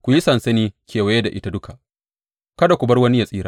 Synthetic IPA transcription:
kʷu˨ji˦sɐ˨nsɐ˦niː˦kʲeː˨wa˦je˦da˨ʔɪ˦ta˦dʊ˦ka˨ | kɐ˦da˨kʷu˨bɐ˦rwɐ˦ni˦ja˨sʼiː˦ɾa̰ː˦

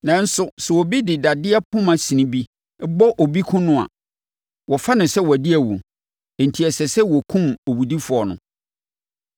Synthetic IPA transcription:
nã˨n̩˦sʊ˨sɛ˨wɔ˨bi˦dɪ˨da˨dɪ˦a˦pʰʊ̃˦mã˨sĩ˨nĩ˦bi˦ | ɛ˦bɔ˦ʔo˨bi˦kʰʊ̃˦nʊ̃˦a̰˨ | wɔ˨fa˦nɪ̃˨sɛ˦wɔ˨æ˨dɪ˦æ˨wṵ˨ | ɛ˨n̩˨tʰi˨ɛ˨sɛ˨sɛ˦wɔ˨kʰũ˦mo˨wu˨di˦fʊ˨ɔ˨nʊ̰̃˨

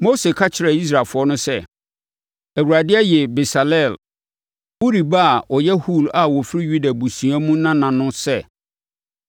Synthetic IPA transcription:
mo˦se˨kʰa˦t͡ɕʰɪ˨ɾɛ˨i˦s̬ɾaː˨lfʊ˨˦ɔ˦nʊ̃˦sɛ˦˨ | æ˨wu˨ɾa˨dɪ˦ɛ˦jɛ˨be˨sa˨lɛ˦˨l | wo˦ɾi˨ba˦a˨ʔɔ˨jɛ˦hu˦˨la˨wɔ˨fɾi˦ju˦da˨bu˨sũ˨a˦mũ˦nã˦nã˨nʊ̃˦sɛ˦˨

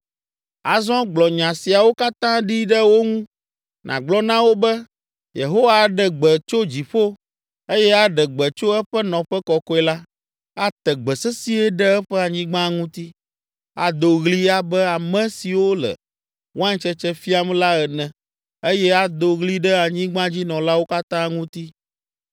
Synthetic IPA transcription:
a˨zɔ̃˦ɡ͡blɔ˨ɲã˨si˨a˨wo˦ka˦t̪ã˦ɖi˦ɖɛ˦wo˦ŋũ˦ | nʔã̰˨ɡ͡blɔ˦nã˦wo˦bɛ˦ | je˨ɦo˦wa˦˨ɖɛ˨ɡ͡bɛ˨t͡ʃo˦d͡ʑi˨ɸo˦ | e˦jɛ˦a˦ɖɛ˨ɡ͡bɛ˨t͡ʃo˦ɛ˦ɸɛ˦nɔ̃˨ɸɛ˦kɔ˨kɔ˦ɛ˦la˦ | a˨t̪ɛ˨ɡ͡bɛ˨sɛ˦si˦ɛ˦ɖɛ˦ɛ˦ɸɛ˦a˨ɲĩ˦ɡ͡bã˦ŋũ˦t̪i˦ | a˨d̪o˨ɣli˦a˦bɛ˦a˨mɛ̃˦si˨wo˦lɛ̰˨ | wo˦a˦ɲ̃˦t͡ʃɛ˦t͡ʃɛ˦fi˦a˦m˦la˦ɛ˨nɛ̃˨ | e˦jɛ˦a˦d̪o˨ɣli˦ɖɛ˦a˨ɲĩ˦ɡ͡bã˦d͡ʑi˦nɔ̃˨la˦wo˦ka˦t̪ã˦ŋũ˦t̪i˦

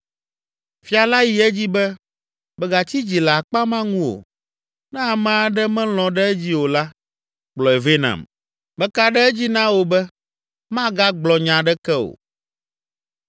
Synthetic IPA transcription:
fi˦a˨la˦ji˨ɛ˦d͡ʑi˦bɛ˦ | bɛ˨ɡa˨t͡ɕi˦d͡ʑi˨la˨k͡pa˦mã˦ŋũ˦wo̰˨ | nɛ̃˦a˨mɛ̃˦a˦ɖɛ˦mɛ̃˦l̃ɔ̃˨ɖɛ˦ɛ˦d͡ʑi˦wo˨la˦ | k͡plɔ˨ɛ˨ve˦nã̰˨m | mɛ˦ka˦ɖɛ˦ɛ˦d͡ʑi˦nã˦wo˨bɛ˦ | mã˦ɡa˦ɡ͡blɔ˨ɲã˨ɖɛ˦kɛ˦o̰˨

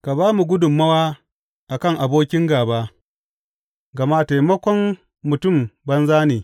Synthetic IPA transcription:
ka˨baː˦mu˨ɡʷʊ˦dʊ˨mːɐ˦waː˦ | ʔa˨kɐ˦ŋʔa˨boː˦kʲɪ˦ŋɡaː˨baː˦ | ɡɐ˨maː˦ta˨jmɐ˦kʷɔ˦mː | ʊ˨tʊ˦˨mbɐ˦nzaː˦neː˨

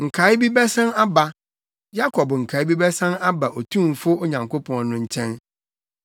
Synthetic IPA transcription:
ŋ̩˨kʰa˨˦ɪ˦bi˦bɛ˦sã˦na˦ba˨ | ja˦kʰɔ˨bŋ̩˨kʰa˨˦ɪ˦bi˦bɛ˦sã˦na˦ba˨ʔɔ˨tʰũ˦˨m˨fʊ˦o˦ɲã˨ŋko˦pʰɔ̃˨nʊ̃˦ɲ̩˦t͡ɕʰɛ̃˦n

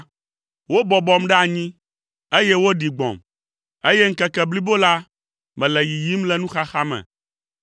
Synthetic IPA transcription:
wo˦bɔ˨bɔ˦mɖɛ˦a˨ɲĩ˦ | e˦je˦wo˦ɖi˨ɡ͡bɔ̰̃˨m | e˦jɛ˦ŋ̩˦kɛ˨kɛ˨bli˦bo˦la˦ | mɛ̃˨lɛ˨ji˨ji˦mlɛ˦nũ˦xa˦xa˦mɛ̰̃˨

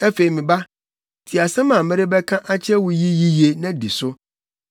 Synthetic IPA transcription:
ɛ˦fe˨i˨mɪ̃˨ba˦ | tʰi˨a˨sɛ̃˦mã˨mɛ̃˦ɾɪ˦bɛ˦kʰã˦ʔa˦t͡ɕʰɪ˦ɛ˦wʊ˨ji˦ji˦ji˦e˨nã˦di˨sʊ˦

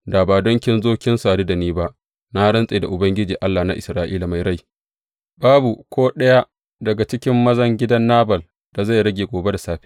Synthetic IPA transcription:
da˨baː˨dɔ˦ŋkʲɪ˦nzoː˦kʲɪ˦nsaː˨du˦da˨niː˦ba˦ʔ | na˦hɽɐ˦nsʼeː˨da̰˨ʔʊ˨bɐ˦ŋɡʲɪ˦d͡ʒiː˨ʔa˦lːa˨na̰˦ʔɪ̰˨sɾaː˦ʔḭː˦la˨ma˨jɽa˦˨j | baː˦bu˨kʷʰoː˦ɗɐ˦ja˦ | dɐ˨ɡa˨t͡ʃɪ˦kʲɪ˦mːɐ˦zɐ˦ŋɡʲɪ˦dɐ˦nːaː˦bɐ˨l | d̥a˨za˦˨jɾɐ˦ɡʲeː˨ɡʷoː˨be˦da˨saː˦ɸi̥ː˦

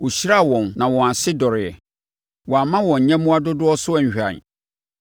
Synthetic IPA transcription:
wo˨ɕi˦ɾa˦˨wɔ̃˨nnã˨wɔ̃˨a˨sɪ˦dɔ˨ɾɪ˨ɛ̰˨ | wɔ̃˨a˨mã˦wɔ̃˨ɲ̩˨ɲɛ̃˦mũ˦a˦dʊ˦dʊ˦ɔ˦sʊ˦ɛ˨ɲ˨ɕᶣã̰˨n˨

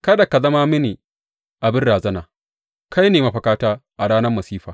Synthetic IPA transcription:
kɐ˦da˨ka˨zɐ˦maː˦mɪ˦ni˨ | ʔa˨bɪ˦nɽaː˨zɐ˦naː˨ | kʰa˦jneː˨ma˦ɸɐ˨kaː˦taː˦ʔa˨ɽaː˦nɐ˦rmɐ˨siː˦ɸaː˨

